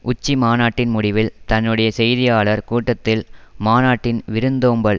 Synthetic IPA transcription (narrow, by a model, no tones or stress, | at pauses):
ʔʊt͡ʃːimaːnaːʈːɪnmʊɽɪʋɪlt̪ɐnːɯɽɐjɐsɛjðɪjaːɭɐɾkuːʈːɐt̪ːɪlmaːnaːʈːɪnʋɪɾɯnd̪oːmbɐɭ